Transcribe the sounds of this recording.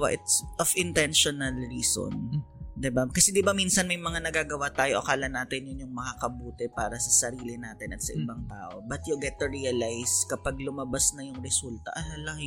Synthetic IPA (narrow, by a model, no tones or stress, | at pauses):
wa̰ʔɪt̪sʔofɪnt̪ɛnʃonɐlɹiːso̰nd̪ɪbakɐsɛd̪ɪbamiːnsɐnmɐjmɐŋanɐɡaːɡɐwat̪aːjoʔɐ̰kaːlɐnaːt̪ɪnjʊnjʊŋmɐŋakɐbuːt̪ɛpaːɾɐsɐsɐɾiːlɪnaːt̪ɪnɐt̪sɐʔɪbaŋt̪aːʔo̞̰bɐt̪̚joɡɛt̪ːʊɹiːɐlajskɐpaɡ̚lʊmɐbasnɐjʊŋɾɛsult̪ɐ̰ʔɐlalɐŋ